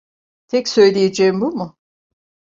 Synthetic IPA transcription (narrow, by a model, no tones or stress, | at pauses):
t̪ʰɛcsø̞jlʲejed͡ʒɛːimbumʊ